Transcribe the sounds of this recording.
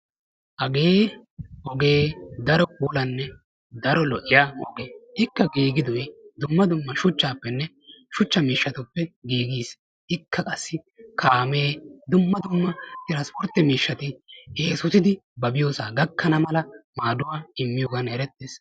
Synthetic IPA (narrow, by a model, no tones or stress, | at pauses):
ʔɐɡeːʔɔɡe̞ːd̪ɐɾɔkʼuːlɐnːɛ | d̪ɐɾɔlɔʔɪjaːɔ̰ɡeːɪkːɐɡiːɡɪd̪ɔjd̪ʊmːɐd̪ʊmːɐʃʊt͡ʃːaːpːɛnːɛ | ʃʊt͡ʃːɐmiːʃːɐt̪ʊpːɛɡiːɡiːs | ʔɪkʰːɐkʼɐsːɪ | kʰaːme̞ːd̪ʊmːɐd̪ʊmːɐt̪ɪɾɐspɔɾt̪ːɪmiːʃːɐt̪ɪheːsʊsɪd̪ɪbɐbɪjoːsaːɡɐkʰːɐnɐmɐlɐmaːd̪ʊwaːɪmːɪjoːɡɐnɛɾɛt̪ːeːs